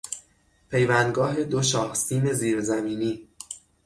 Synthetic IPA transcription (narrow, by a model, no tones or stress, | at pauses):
pʰe̞jvænd̪ɡɒːɦe̞d̪oʃɒːhsiːme̞ziːɾzæmiːniː